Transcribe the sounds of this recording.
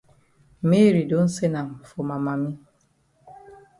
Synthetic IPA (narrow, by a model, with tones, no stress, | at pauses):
mi˦ɾi˨do˦n̩˦se˦na˨m˨fo˨ma˨ma˨mi˦